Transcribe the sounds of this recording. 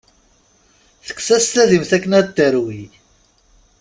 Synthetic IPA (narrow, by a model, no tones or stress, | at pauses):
θə̥kːsæst̪æðimθækːənæd̪əɾwi